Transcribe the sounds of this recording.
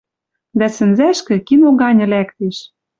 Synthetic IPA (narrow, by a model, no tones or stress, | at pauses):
d̪æsɘ̆nzæʃkɘ̆kinoɣɑnʲɤ̆lækt̪eʃ